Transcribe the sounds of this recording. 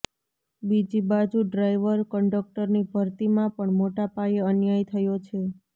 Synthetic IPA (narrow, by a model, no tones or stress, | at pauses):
bid͡ʒibad͡ʒuɖɾajʋəɾkəɳɖək̚ʈəɾnibʱəɾt̪imãpəɳmoʈapajeənjajt̪ʰəjot͡ʃʰe